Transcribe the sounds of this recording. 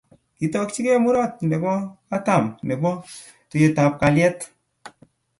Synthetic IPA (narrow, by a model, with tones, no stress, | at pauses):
ki˨tɔ˧k̚t͡ʃi˦ke˦mu˦ɾɔ˦˨t̚ne˨bɔ˦ka˦ta˦˨mne˨bɔ˦ | to˨je˨˧ta˨p̚ka˨ljɛ˦t